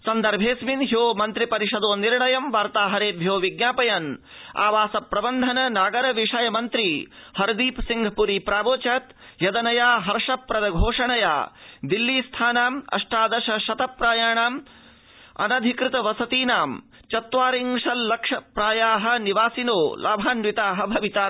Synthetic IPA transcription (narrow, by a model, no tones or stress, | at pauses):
sɐnd̪ɐɾbʱeːsminɦjoːmɐnt̪ɾipɐɾiʃɐd̪oːniɾɳɐjɐmʋaːɾt̪aːɦɐɾeːbʱjoːʋiɡɲaːpɐjɐn | a̰ːʋaːsɐpɾɐbɐnd̪ʱɐnɐnaːɡɐɾɐʋiʂɐjɐmɐnt̪ɾihɐɾd̪iːpsiŋɡʱɐpuɾiːpɾaːboːt͡ʃaːt̪ | jɐd̪ɐnɐjaːɦɐɾʂɐpːɾɐd̪ɐɡʱoːʂɐɳɐja̰ːd̪ilːiːst̪ʰaːnaːmɐ̰ʂʈaːd̪ɐʃɐʃɐt̪ɐpɾaːjaːɳaːm | ɐ̰nɐd̪ʱikɾɪt̪ɐʋɐsɐt̪iːnaːm | t͡ʃɐt̪ʋaːɾiŋʂɐllɐkʂɐpɾaːjaːɦɐ̆niʋaːsinoːlʔaːbʱaːnʋit̪aːɦɐ̆bʱɐʋit̪aː